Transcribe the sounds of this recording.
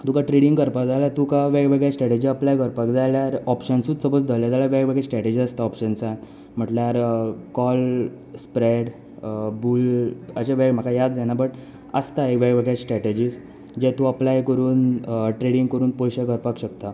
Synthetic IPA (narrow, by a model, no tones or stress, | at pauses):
t̪ukaʈɾeɽiŋɡɡəɾpakd͡zajlat̪ukaʋɛɡʋəɡɭjasʈɾɛʈed͡ʑiəplajɡəɾpakd͡zajljaɾɔpɕənsuːt͡ssəbət͡sd̪aljad͡z̪alaʋɛɡʋəɡɭasʈɾɛʈed͡ʑiːəst̪aɔpɕənsa | m̤əʈlaɾkɔl | spɾeɽ | buːləɕaʋem̤əkajad̪̚d͡zanabəʈ | ə̰st̪aeʋɛɡʋəɡɭjasʈɾɛʈed͡ʑiːs | d͡ʑɛt̪uəplajkəɾuːnʈɾeɽiŋɡkəɾuːnpɔjɕaɡəɾpakɕəkt̪a